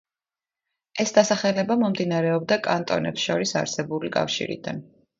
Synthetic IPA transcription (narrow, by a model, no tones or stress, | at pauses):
ɛsd̪asaχɛlɛbamɔmd̪inaɾɛɔbd̪akʼant̪ʼɔ̰nɛpsʃɔɾisa̰ɾsɛbulikʼa̰fʃḭɾḭd̪a̰n